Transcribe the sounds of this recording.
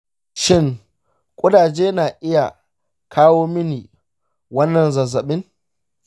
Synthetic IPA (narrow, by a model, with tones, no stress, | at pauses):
ʃɪ˦ŋ | kʷʼʊ˦daː˨d͡ʒeː˦naː˨ʔɪ˦ja˨ | kʰaː˦woː˦mɪ˦niː˨ | wɐ˦nːɐ˨nzɐ˨zɐ˨ɓɪ˦ŋ